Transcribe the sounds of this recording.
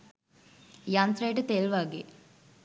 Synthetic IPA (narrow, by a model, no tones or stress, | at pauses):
jant̪ɾejʈət̪elʋaɡeː